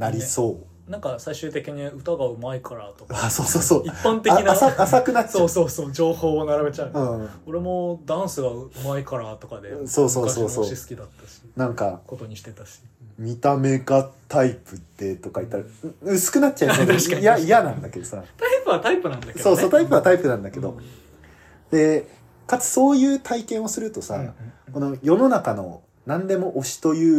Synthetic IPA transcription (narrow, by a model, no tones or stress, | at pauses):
naɾʲiso̞ː | nãŋkasaiɕɨːt̪e̞kʲiɲ̟iɯ̟t̪aɡaɯ̟maikʰaɾat̪o̞kaasoːsoːsoːiːãnt̪einasaasakɯ̟natːt͡ɕaːsoːsoːd͡ʑo̞ːho̞ːnaɾabe̞t͡ɕaɯ̟ɯ̟̃ːo̞ɾe̞mo̞d̪ãɰ̃sɨɡaɯ̟maikaɾat̪okad̪eso̞ːsoːsoːoɕisɨ̥kʲid̪at̪ːaɕi̥nãŋkako̞t̪o̞ɲ̟iɕi̥t̪et̪aɕi̥mʲit̪ame̞ɡat̪aipɯ̟d̪̥e̞t̪o̞kait̪ːaɾaɯ̟sɨ̥kɯ̟natːt͡ɕaiajaijanãnd̪ake̞d̪o̞sat̪aipɯβat̪aipɯ̟nãnd̪akeso̞ːso̞ːt̪aipɯ̟βat̪aipɯ̟nãnd̪ake̞d̪o̞ | d̪e̞ | kat͡sɨ̥so̞ːjɯ̟ːt̪ʰaikẽ̞ɰ̃o̞sɨɾɯ̟t̪o̞sa̰ko̞no̞jo̞no̞nakano̞̰ | nãnd̪e̞mo̞ʔoɕi̥t̪o̞jɯ̟ː